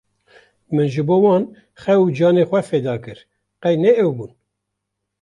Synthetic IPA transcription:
mɨnʒɨboːwɑːn | xɛud͡ʒɑːneːxʷɛfeːd̪ɑːkɨɾ | qɛjnɛɛwbuːn

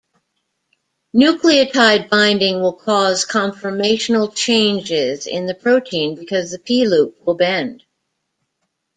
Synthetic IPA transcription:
nʉkliɨtʰaɪd̚bãɪ̃ndɪ̃ŋwɪlˠkʰɔz̥kʰɑ̃ɱfə˞meɪʃn̩l̩ˠt͡ʃʰẽɪ̃nd͡ʒɪzɪ̰̃nðɨpʰɹ̥oʊtʰĩnbɨkʰʌzðɨpʰilup̚wɪlˠbɛ̃nd̥

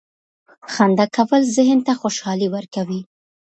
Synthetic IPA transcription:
xand̪akawəlzɪɦnt̪axoʃɑliwəɾkawi

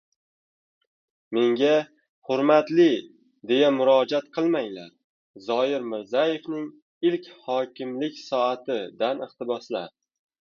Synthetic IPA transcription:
me̞ŋɡʲa | hʊɾmat̪lɪ | d̪e̞jamʊɾɒd͡ʒat̪̚qʰɨlˠmajla̰ɾ | zɒɪɾmɪɾzaje̞fnɪŋ | ɪlkʲhɒkʲʰɪmlɪkʲsɒat̪ʰɪd̪anɪχt̪ɪbɒsla̰ɾ

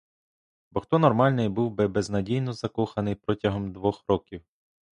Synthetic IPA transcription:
bɔxt̪ɔnɔrmɑlʲnɪjbuwbɪbɛznɐdʲijnɔzɐkɔxɐnɪjpɾɔtʲɐɦɔmd̪ʋɔxɾɔkʲiw

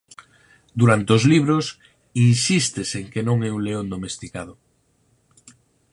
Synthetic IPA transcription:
d̪uɾant̪eozliβ̞ɾos | insist̪eseŋkenõŋɛuŋleond̪omest̪ikaðo

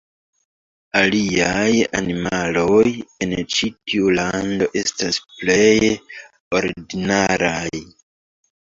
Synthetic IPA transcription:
aliaja̰nimalo̞je̞nt͡ʃitiulando̞ʔe̞stasple̞j | o̞ɾidinaɾaj

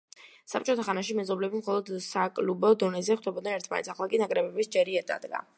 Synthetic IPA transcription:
sap̚ʰt͡ʃʼɔt̪ʰaχanaʃimɛzɔblɛbimχɔlˠɔd̪sakʼlubɔd̪ɔnɛzɛχwd̪ɛbɔd̪̚nɛnɛɾt̪ʰmanɛ̰t̪sʰaχlˠakʼinakʼɾɛbɛbisd͡ʒɛɾiɛɾd̪a̰d̪ɡa̰

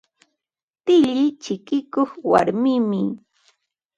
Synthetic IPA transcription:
t̪ɪʎɪt͡ʃɪkɪkoχwa̰ɾmɪmɪ

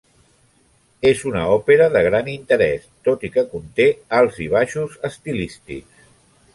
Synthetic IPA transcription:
ezunə̰ɔpeɾəðəɣ̞ɾanint̪əɾɛst̪ot̪ikəkunt̪ealˠziβ̞aʃuzəst̪ilist̪ḭks

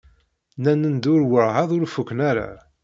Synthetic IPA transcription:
nænənd̪ʊɾwəɾˤʁɑðˤʊɾfukːnaɾa̰

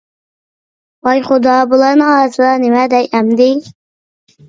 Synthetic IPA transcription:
ɑjχʊd̪ɑbulˠɑɾnɨŋɑːɾsɨd̪ɑnemɛd̪ɛjɛmd̪ɪ

